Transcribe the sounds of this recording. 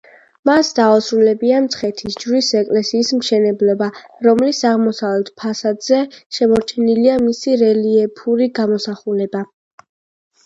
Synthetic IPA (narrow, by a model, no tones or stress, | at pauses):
masd̪aɔsɾulɛbiamt̪sʰχɛt̪ʰisd͡ʒɾisɛkʼlɛsiːsmʃɛnɛblɔbaɾɔmlisaʁmɔsavlɛt̪ʰpʰasad̪zɛʃɛmɔɾt͡ʃʰɛniliamisiɾɛliɛpʰuɾiɡamɔsaχulɛba